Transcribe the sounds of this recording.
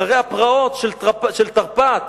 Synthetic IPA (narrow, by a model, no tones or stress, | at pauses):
aʁejhapʁaot̪ʃelapʃelt̪aʁpat̪